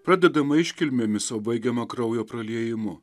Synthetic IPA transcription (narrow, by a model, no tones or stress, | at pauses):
pɾɑːd̪ʲɛd̪ɐmɐɪʃʲkʲɪlʲmʲeːmʲɪsɐʊbɐɪɡʲɛmɐkɾɐʊjoːpɾɐlʲiɛjɪmʊ